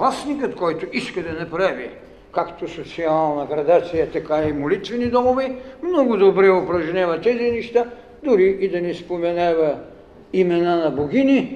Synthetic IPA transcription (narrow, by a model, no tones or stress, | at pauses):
vlˠasnikət̪kɔjt̪oiskɐd̪ɐnɐpɾavi | kakt̪osot̪sialˠnɐɡɾɐd̪at̪sijɐt̪ɐkaimolit̪vɛnid̪ɔmovɛmnɔɡʊd̪obɾɛopɾɐʒnʲavɐt̪ɛzinɛʃt̪a | d̪ʊɾiːd̪ɐnispomɛnavɐ | imɛnanɐboɡʲini